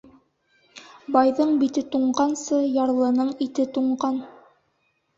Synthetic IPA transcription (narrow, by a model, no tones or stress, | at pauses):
bɑjðɤɴbit̪ɘt̪uɴɢɑnsɤjɑɾlˠɤ̆nɤɴit̪ɘt̪uɴɢɑn